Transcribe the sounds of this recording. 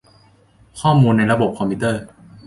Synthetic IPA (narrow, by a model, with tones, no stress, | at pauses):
kʰɔː˥˩muː˧nːa˧jɾa˧bo˨˩p̚kʰɔ˧mpʰi˦˥t̪ɤː˥˩